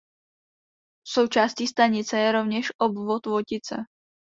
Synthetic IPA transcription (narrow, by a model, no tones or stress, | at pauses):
so̞wt͡ʃaːscist̪aɲɪt͡sɛjɛɾovɲɛʃʔobvot̪vocɪt͡sɛ̰